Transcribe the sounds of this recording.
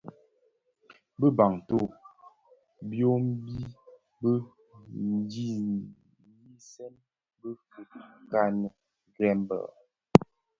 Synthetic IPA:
bə˦ba˨ŋto˦˨ | bjo˦m˦bi˦ | bə˦ | n˦d͡ʒi˦˨ | ji˦sɛ˦n | bə˦fə˨t̚ka˦nə˨ | ɡɾɛ˦mbə̰˨

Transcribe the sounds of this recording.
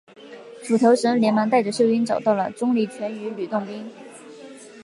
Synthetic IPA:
ʈ͡ʂʰu˨˩t̪ʰo˧˥ʊʂɤ˧˥ŋljɛ˧˥nma˧˥ŋt̪a˥˩ɪʈ͡ʂə˩ʂɤ˥˩ʊy˥nt͡sɑ˨˩ʊt̪ɑ˥˩ʊlə˩ʈ͡ʂʊ˥ŋli˧˥˩t͡ɕʰɥɛ˧˥ny˧˥ly˨˩t̪ʊ˥˩ŋpi˥ŋ

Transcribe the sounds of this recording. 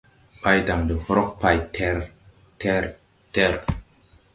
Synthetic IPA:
pa˦jda˨ŋdə˨hɔ˦ɾo˦k̚pa˧jtʰɛɾ | tɛ˦ɾ | tɛ˦ɾ

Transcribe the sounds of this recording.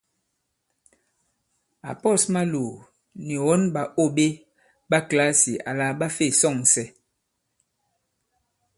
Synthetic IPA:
a̰˨pɔ˦˨sma˦lo˨ | ni˨wɔ˦nba˨o˦˨be˦ | ba˦kla˦si˨ʔa̰˨la˦ba˦fe˦˨sɔ˦˨ŋ˨sɛ˦

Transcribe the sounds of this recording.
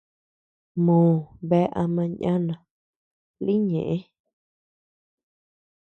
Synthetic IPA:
mõː˨βe˦ʔa˧mã˧ɲã˦nã˨ | li˦ɲẽ˨ʔẽ˦

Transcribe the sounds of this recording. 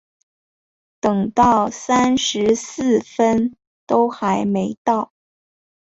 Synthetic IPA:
t̪ɤ˨˩ŋt̪ɑ˥˩ʊsa˥nʂɻ̩˧˥s̩˥˩fə˥n | t̪o˥ʊxa˧˥ɪme˧˥ɪt̪ɑ˥˩ʊ

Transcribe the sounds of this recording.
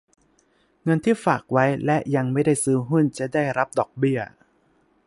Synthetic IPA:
ŋɤ˧nt̪ʰiː˥˩faː˨˩k̚wa˦˥jlɛ˦˥ʔja˧ŋma˥˩jda˥˩jsɯː˦˥ɦu˥˩nt͡ɕa˨˩daː˥˩jɾa˦˥p̚dɔː˨˩k̚bi˥˩ɐ

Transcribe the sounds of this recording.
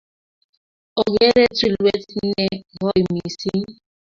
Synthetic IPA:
o˨ɡe˦ɾe˦tu˦˨lwe˦ti˦ne˨ɣɔ˦i˨mi˨si˦n˦

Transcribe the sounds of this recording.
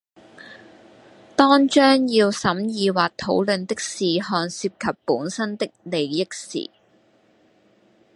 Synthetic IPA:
t̪ɔː˥ŋt͡ʃœː˥ŋjiː˧wsɐ˨˥mjiː˨˧waː˨k̚t̪ʰo˨˥wlɵ˨nt̪ɪ˥k̚siː˨hɔː˧nsiː˧p̚kʰɐ˨pːuː˨˥nsɐ˥nt̪ɪ˥k̚le˨jjɪ˥k̚sḭː˨˩

